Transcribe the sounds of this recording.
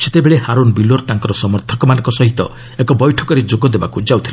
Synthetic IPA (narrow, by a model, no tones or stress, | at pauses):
set̪ebeɭehaɾonbiloɾt̪aŋkɔɾɔsɔmɔɾt̪ʰɔkɔmanɔ̃ŋkɔsɔɦit̪ɔ̰ | ekɔbɔjʈʰɔkɔɾed͡ʒoɡɔd̪eba̰kud͡ʒawt̪ʰila